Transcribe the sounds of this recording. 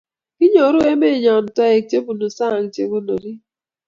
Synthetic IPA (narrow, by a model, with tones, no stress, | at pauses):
i˦ɲo˨˦ɾʊ˦e˦me˦˨ɲɔ˨n̩˨ta˦e˨t͡ʃe˦bu˨no˨sa˦˨ŋ̩˨t͡ʃḛ˨ɡʊ˦no˨ɾi˦